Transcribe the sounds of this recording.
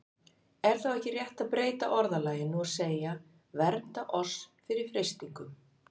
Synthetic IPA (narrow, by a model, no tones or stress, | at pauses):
ɛɾ̥θawɛhcɪrjɛht̪aðpɾeːjt̪a̰ʔɔɾðalaːjɪnuaðseːja | vɛɾt̪aʔɔsfɪɾɪɾ̥fɾest̪iŋkʏm